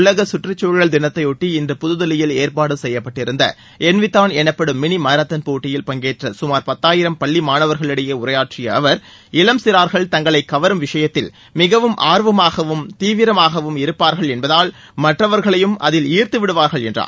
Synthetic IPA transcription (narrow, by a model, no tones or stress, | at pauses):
ʊɭːɐɣɐsʊʈrɐt͡ʃːoːɻɣɐɭd̪ɪnɐt̪ːɐɪʊʈːiɪndrɯpʊðɯðɐlɪjɪleːɾpaːɽɯsɛjːɐpːɐʈːɪɾɯnd̪ɐ̰ | ʔɛnʋɪt̪ːaːnɛnɐpːɐɽɯmːɪɳimɐɾɐt̪ːɐnpoːʈːɪjɪlpɐŋɡeːʈrɐsʊmaːɾpɐt̪ːaːjɪɾɐmpɐɭːimaːnɐʋɐɾɣɐɭɪɽɐjɐʊɾɐjaːʈrɪjɐɐʋɐɾ | ɪlɐmsɪɾaːɾɣɐɭt̪ɐŋɡɐɭɐɪkːɐʋɐɾɯmʋɪʂɐjɐt̪ːɪl | mɪɣɐʋɯmʔaːɾʋɐmaːɣɐʋɯmt̪iːʋɪɾɐmaːɣɐʋɯmɪɾɯpːaːɾɣɐɭɛnbɐðaːl | mɐʈːrɐʋɐɾɣɐɭɐjɯmɐ̰ðɪliːrt̪ɯʋɪɽɯʋaːɾɣɐɭɛndra̰ː